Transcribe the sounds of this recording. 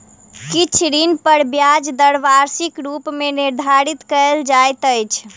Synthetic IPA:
kit͡ʃʰd̪inpəɾbjad͡ʒd̪əɽʋaɾsikɾupmeniɾd̪ʱaɾit̪kəld͡ʒajt̪əjt͡ʃʰ

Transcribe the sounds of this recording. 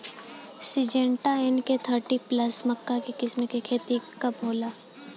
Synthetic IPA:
sɪd͡ʒẽːɳʈaenket̪ʰəɾʈipləsmɐkːakekɪsmekekʰeːt̪ikɐbɦoːlaː

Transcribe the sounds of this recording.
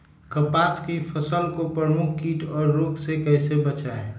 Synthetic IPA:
kəpaskipʰəsəlkopɾəmukʰkiʈɔːɾːoksekəɪsebət͡ʃaẽ

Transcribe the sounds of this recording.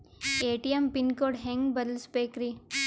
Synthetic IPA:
eːʈijempinkoːɽɦẽŋɡbɐɾlspeːkɾi

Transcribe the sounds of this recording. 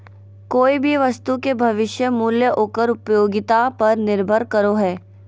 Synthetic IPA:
koːibʱiʋɐst̪ukebʱɐʋɪʃjəmuːljəʔoːkəɾʊpjoːɡɪt̪apɐɾnɪɾbʱəɾkɐɾoɦɛː

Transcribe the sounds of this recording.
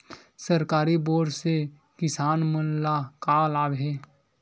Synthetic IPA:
səɾkaːɾiboːɾse | kɪsaːnmənlakaːlaːbɦe

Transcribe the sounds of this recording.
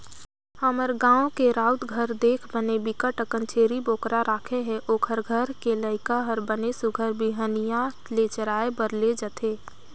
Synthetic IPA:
həməɾɡãːokeɾaːʊt̪ɡʱəɾd̪eːkʰbənebɪkəʈəkənt͡ʃʰeːɾiboːkɾaɾaːkʰeɦɛ̃ʔoːkʰəɾɡʱəɾkeləɪkaɦəɾbənesʊɡʱəɾbʱiɦənija | let͡ʃəɾaːebəɾled͡ʒət̪ʰeː

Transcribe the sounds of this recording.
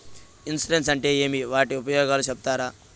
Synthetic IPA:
insɾens̬ɐɳʈejemiʋaːʈeupɐjoːɡaːluɕɐb̚t̪aːɾa

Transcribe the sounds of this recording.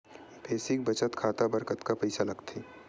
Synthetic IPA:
pʰeːsik̚bɐt͡ʃət̪kʰaːt̪abɐɾkət̪kapɛɪsalɐɡt̪ʰiː

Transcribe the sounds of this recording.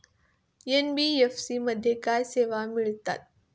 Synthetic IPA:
jenbiefsimɐd̪ʱjekaseːʋamɪɭt̪a̰t̪̚

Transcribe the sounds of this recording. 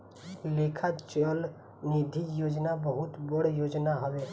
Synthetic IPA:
lekʰat͡ʃəl | nid̪ʱijod͡ʒnabəɦut̪bəɽ̤jod͡ʒnaɦəbe

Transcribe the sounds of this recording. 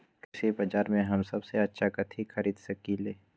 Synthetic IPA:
kɪsebɐd͡ʒaːɾmẽɦɐmsɐbseɐtːʃʰakɐt̪ʰixʰɐɾiːd̪sɐkileː

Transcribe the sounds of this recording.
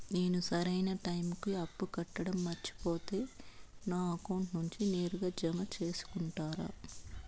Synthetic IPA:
neːnusɐɾɐjnɐʈɐjmkiɐpːukɐʈːɐɽɐmːɐt͡ʃːi̥poːt̪e̞ːnaːkoɳʈnuɲt͡ʃine̞ːɾuɡaːd͡ʒɐmɐt͡ʃe̞ːsu̥kuɳʈaːɾa̰ː

